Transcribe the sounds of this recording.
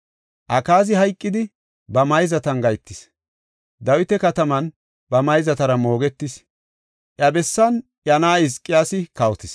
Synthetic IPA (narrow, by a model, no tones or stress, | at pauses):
ʔɐkaːzɪhɐjkʼːɪd̪ɪ | bɐmɐjzɐt̪ɐnɡɐjt̪ːɪs | d̪ɐwɪt̪ɛkɐt̪ɐmɐn | bɐmɐjzɐt̪ɐɾɐmo̞ːɡɛt̪ːɪs | ʔjɐbɛsːɐn | ʔjɐnaːɪskʼːɪjaːsɪkɐwɔt̪ɪs